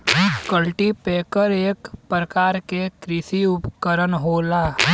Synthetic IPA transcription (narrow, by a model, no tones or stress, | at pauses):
kəlʈipeːkəɾeːkpɾəkaːɾkekɾɪsiʊpkəɾənɦoːlaː